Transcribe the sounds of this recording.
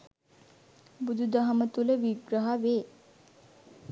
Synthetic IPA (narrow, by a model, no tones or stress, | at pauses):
bud̪ʱud̪ɐɦɐmət̪uleʋiɡɾəɦaʋe